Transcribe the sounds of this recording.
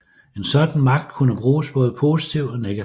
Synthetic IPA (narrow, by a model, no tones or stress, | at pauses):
e̝nsɒ̽d̥n̩mɑ̈ɡ̥̚d̥kʰunəb̥ʁuːsb̥ɔ̽ːð̞̩ˠpʰo̝ːsi̥t͡sʰiʊ̰d̥ɒ̽neɡ̥æ